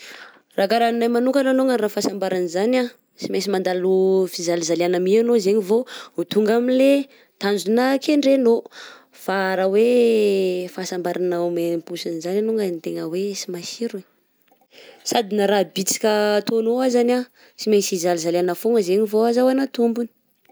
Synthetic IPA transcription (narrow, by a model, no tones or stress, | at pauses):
rakaɾaninajmanuŋkananoŋɡənrafasambaɾanzana | simesimand̪alufizalizalianamianozeɲivout̪uŋɡaminle | t̪and͡zunakeɳɖ͡ʐeno | faɾawe | fasambaɾanaomepusinzananuŋɡanit̪eŋəwesimasiɾi | sad̪inaɾabit͡si̥kʲət̪onoazana | simefizalizalanəfoŋəzeɲivoazawanat̪umbuni̥